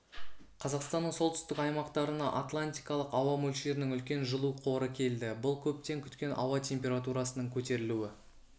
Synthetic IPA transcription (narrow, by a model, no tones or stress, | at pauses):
qʰɑzɑqst̪ɑnːəɴso̞lˠt̪ʏst̪ɪkɑjmɑqt̪ɑɾənɑʔat̪lˠanʲt̪ʲijkɑlˠəqɑwɑmɵlʃe̞ɾɪnɪŋʏlkʲe̞nʒəlˠuqʰo̞ɾəkʲʰe̞ld̪ɪbʊlˠkʲʰɵp̚t̪e̞ŋkʲʰʏt̪kʲe̞nʔɑ̰wɑt̪ʲʰe̞mpʲe̞ɾat̪uɾɑsənəɴkʲʰɵt̪e̞ɾɪluwɪ